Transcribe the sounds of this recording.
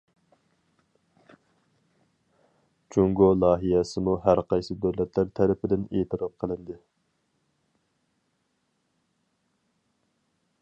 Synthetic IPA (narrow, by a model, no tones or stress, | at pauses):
t͡ʃʰuŋɡolˠɑːɦijɛsɪmuɦæɾqʰɑjsɨd̪øwlɛt̪ʰlæɾt̪ʰːæɾɪpɪd̪ɪneːt̪ʰɨɾɑp̚qʰəlˠɪnd̪ɨ